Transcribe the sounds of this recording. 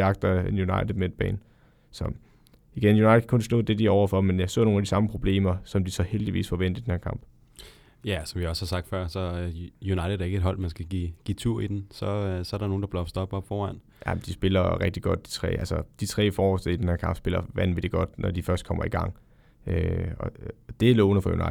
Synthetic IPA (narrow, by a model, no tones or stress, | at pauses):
ɑ̈ɡ̥̚d̥ɐenjunɑ̈ɪd̥əð̩̥ˠmeed̥̚b̥ɛ̰ːn | sɒ̽ | iɡ̥enjunɑ̈ɪɾ̥ˠkʰonsl̥ɔ̰̽ðˠd̥e̝d̥iæɒʊɐfɒ̽menjɑsɔ̰ːno̝ːnædisɑ̈məpʰʁo̝b̥le̝̰ːmɐsɒ̽md̥isɒ̽held̥iʋḭːsfɒʋen̰d̥ð̩d̥enheɐkʰɑ̈m̰b̥ | jæsɒ̽mʋiaɒshɑ̈sɑ̈ɡ̥̚d̥fɶɐ̰sɒ̽junɑ̈ɪɾð̩ˠæɐe̝ɡ̥ed̥ɦɒ̽l̰mænsɡ̥æɡ̥iːɡ̥ḭːt͡sʰuɐ̰id̥ensɒsɒ̽ɐɾɑ̈no̝ːnd̥ɑ̈b̥lɒb̥sd̥ɒb̥ɒb̥fɒːæn̰ | jʔæmnd̥isb̥e̝lɐʁɛɡ̥̚d̥iɡ̥ɒ̽d̥̚d̥i̥t͡sʰʁɛ̰ːælsɐd̥it͡sʰʁɛ̰ːfɒːɒsd̥eid̥enhæɐkʰɑ̈m̰b̥sb̥e̝lɐʋænʋe̝d̥eɡ̥ɒ̽d̥nɒd̥ifɶɐsd̥kʰɒ̽m̰ɐiɡ̥ɑ̈ŋ̰ | øɒd̥e̝ælɔːʊnəfɒ̽jṵnɑ̈ɪ